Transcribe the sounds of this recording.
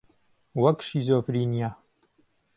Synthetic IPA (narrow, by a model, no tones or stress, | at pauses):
wɐkʃizoːfɾiːnija